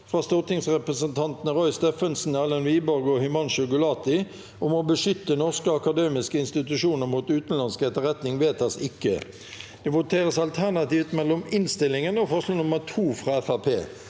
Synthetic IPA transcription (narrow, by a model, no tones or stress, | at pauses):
fʁɑːst̪ɔʁt̪ɪŋsʁɛpʁəsənt̪ʰɑnt̪nəʁɔʏst̪eːfənsn̩ælənʋiːbɔɾɡɔhʏmɑnʃʊkʊlɑːt̪ɪ | ʊmɔbəʂʏt̪ːənɔʁskəɑkɑd̪eːmɪskəɪnst̪ɪt̪ʉʃuːnəʁmuːt̪ʉːt̪n̩lɑnskəɛt̪əʁɛt̪nɪŋʋeːt̪̚dɑsɪkːə̰ | d̪̥ɛːʋʊt̪ʰeːʁəsɑlt̪ʰæʁnɑt̪iːft̪mɛlːɔmɪnst̪ɪlːɪŋənɔfɔʁʂloːnʊməʁt̪ʰuːfʁɑːɛfɑpʰḛː